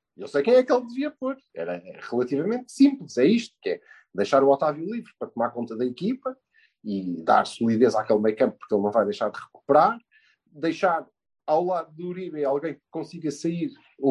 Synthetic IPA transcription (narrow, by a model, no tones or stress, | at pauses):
iewsɐjkɐ̃j̃ɛkelˠd̪ɨviɐpoɾɛ̰ɾɐ̰ʁɨlˠɐt̪ivɐmẽnt̪sĩmplˠɨʃɛiʃt̪u̥kɛ | d̪ɐjʃaɾuɔt̪avjulˠivɾpɾɐt̪umaɾkõnt̪ɐðɐikipɐ | iða̰ɾsulˠiðezakelˠmɐjkɐ̃mp̚pːuɾkelˠnɐ̃w̃vajðɐjʃaɾd̪ʁɨku̥pɾaɾ | d̪ɐjʃaɾ | awlˠaðuðuɾiβealˠɣɐ̃j̃kɨ̥kõsiɣɐsɐiɾ